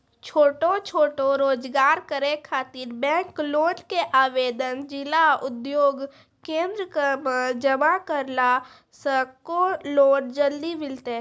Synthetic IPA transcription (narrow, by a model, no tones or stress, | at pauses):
t͡ʃʰoːʈot͡ʃʰoːʈoɾoːd͡ʒɡaːɾkəɾekʰaːt̪ɪɾbɛ̃ːkloːʈkeʔaːʋeːd̪ənd͡ʒɪlaʊd̪joːɡ | kẽːnd̪ɾəkəməd͡ʒəmakəɾla | səkoloːɖd͡ʒəld̪imɪlt̪e